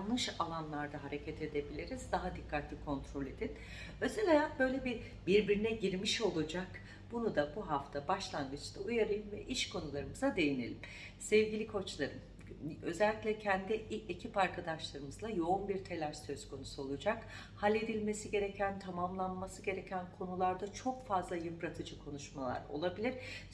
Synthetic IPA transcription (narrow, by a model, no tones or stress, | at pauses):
nːɯʃalˠanlˠaɾd̪aɦaɾe̞cʰɛt̪ʰe̞d̪e̞bilʲiɾizd̪aɦad̪ikʰːat̪ʰlʲikʰo̞nt̪ʰɾo̞lʲe̞d̪in | øzɛlʲajabø̞jlʲebi | biɾbiɾinɛɟiɾmiʃo̞lˠud͡ʒak | b̥unud̪abuɦaft̪ʰabaʃlˠanɡ̪ɯt͡ʃt̪aujaɾɯjɯmvɛʔiʃkʰo̞nulˠaɾɯmɯzad̪e̞jine̞̰lʲim | sɛvɟilʲikʰo̞t͡ʃlˠaɾɯm | ø̞zɛlʲːicʲlʲɛcʰɛnd̪iiʔecʰipaɾkʰad̪aʃlˠaɾɯmɯzlˠajo̞unbiɾt̪ʰe̞lʲæɾsø̞z̥kʰo̞nusuo̞lˠud͡ʒak | halʲe̞d̪ilʲme̞siɟe̞ɾe̞cʰænt̪ʰamamlˠanmasɯɟe̞ɾe̞cʰænkʰo̞nulˠaɾd̪at͡ʃʰo̞kfazlˠajɯpɾat̪ʰɯd͡ʒɯkʰo̞nuʃmalˠa̰ɾo̞̰lˠabilʲiɾ̥